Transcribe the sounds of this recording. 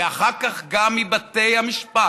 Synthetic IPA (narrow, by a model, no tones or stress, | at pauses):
aχaʁkaχɡamːibat̪ejamiʃpa